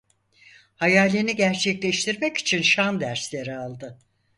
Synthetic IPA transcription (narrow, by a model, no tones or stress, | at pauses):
hajaːlʲeniɟæɾt͡ʃʰɛclʲɛʃt̪ʰiɾmɛci̥t͡ʃʰinʃand̪æɾslʲe̞ɾialˠd̪ɯ